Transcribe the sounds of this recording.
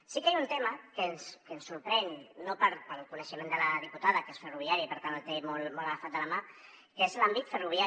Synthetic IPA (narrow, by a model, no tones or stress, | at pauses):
sikajunt̪eməkənskənsːuɾpɾɛnːopəɾpəlkunəʃəmẽnd̪ələðiput̪aðəkesfəruβ̞iaɾipəɾt̪anəlt̪emolmɔoləəfat̪d̪ələma | kezlambit̪fəruβ̞ja